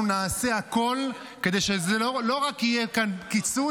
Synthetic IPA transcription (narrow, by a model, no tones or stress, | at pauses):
naːse̞ako̞l | ke̞d̪e̞jʃezelolo̞ʁakijekankit͡su